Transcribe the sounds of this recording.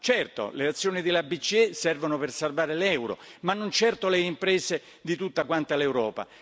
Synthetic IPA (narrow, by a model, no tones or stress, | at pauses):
t͡ʃɛrt̪o̰leat̪sːjoːnid̪ɪlabit͡ʃːiɛsɛrvonopersarvaːɾelɛwɾo̰manːont͡ʃɛrt̪oleimpɾɛːse | d̪it̪ut̪ːakwant̪alewɾɔːpa̰